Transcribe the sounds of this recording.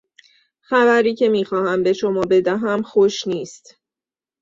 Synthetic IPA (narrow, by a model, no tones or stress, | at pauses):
xævæɾiːcʰe̞miːxɒːhæmbe̞ʃo̞mɒːbe̞d̪æɦæmxoʃniːst̪